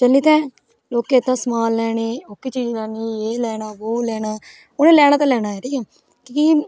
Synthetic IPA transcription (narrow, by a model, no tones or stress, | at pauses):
t͡ʃəlːiːt̪ɛ̃ː | loːkẽːt̪ãːsmaːlːɛːɳeːoːkit͡ʃiːd͡ʒlɛːniːeːlɛːnaːboːlɛːnaː | ʊnẽːlɛːɽ̃aːt̪ãːlɛːñaːɛːʈʰiːkʰɛː | kiki